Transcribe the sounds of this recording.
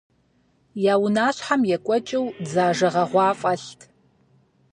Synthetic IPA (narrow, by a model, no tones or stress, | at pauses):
jaːwʊnaːɕħamjɛkʷʼɔt͡ʃʼɪwzaːʒɐʁɐʁʷɑːfʼɐɬtʰ